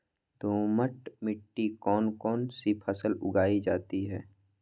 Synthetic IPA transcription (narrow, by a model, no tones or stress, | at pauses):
d̪ʱoːməʈmɪʈːikɔːnkɔːnsipʰəsəlʊ̰ɡaːid͡ʒaːt̪iɦɛː